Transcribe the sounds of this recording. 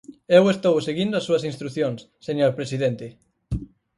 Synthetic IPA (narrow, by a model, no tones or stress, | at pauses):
ewest̪owseɣind̪ʊɐsːuɐsĩnst̪ɾuθjoŋsːeɲoɾpɾesiðent̪ɪ